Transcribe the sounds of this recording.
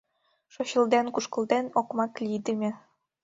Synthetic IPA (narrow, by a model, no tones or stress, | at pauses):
ʃoɕɤ̆lˠd̪enkuʃkɤ̆lˠd̪enokmɑklʲid̪ɘ̆mʲĕ